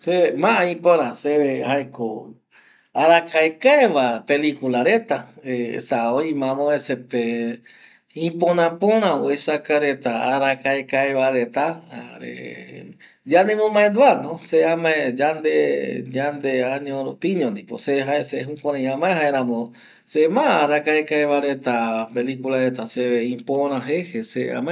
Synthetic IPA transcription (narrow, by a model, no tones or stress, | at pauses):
semãʔãĩpõɾãseehaeko | aɾakaekaeʋapelikulaɾet̪aesaoĩmãmõesepe | ĩpõnãpõɾ̃ãoesakaɾet̪aaɾakaekaeβaɾet̪aa̰ɾḛ | d͡ʒand̪emõmãend̪uanõseamãed͡ʒand̪ed͡ʒand̪eaɲõɾopĩɲõnd̪ipo̰seɦaeseɦukʷãɾ̃ãj̃ãmãẽɦaeɾãmõ | semãaɾakaekaeβaɾet̪apelikulaɾet̪aseβeĩpõɾ̃ãɦehesea̰mã